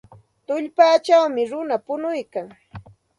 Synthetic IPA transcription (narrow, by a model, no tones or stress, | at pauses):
t̪ʊʎpaːt͡ʃawmɪɾʊnapʊnʊjkaŋ